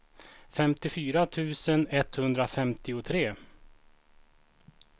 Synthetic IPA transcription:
fɛmt̪ɪfyːɾat̪ʰʉ̟ːsənɛt̪hɵnd̪ɾafɛmt̪ɪʊt̪ʰɾeː

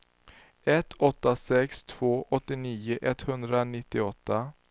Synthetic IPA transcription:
ɛt̪ʰːɔt̪ːasɛkst̪ʰv̥oːʔɔt̪ːɪniːʊʔɛt̪ːhɵnd̪ɾanɪt̪ːɪɔt̪ːa

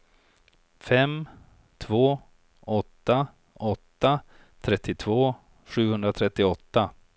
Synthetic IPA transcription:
fɛm | t̪ʰvoː | ɔt̪ːa | ɔt̪ːa | t̪ʰɾɛt̪ːɪt̪ʰvoː | ɧʉ̟ːhɵnd̪ɾat̪ʰɾɛt̪ːɪɔt̪ːa

